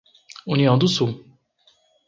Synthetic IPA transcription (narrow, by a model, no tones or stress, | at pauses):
uniɐ̃w̃d̪ʊsuw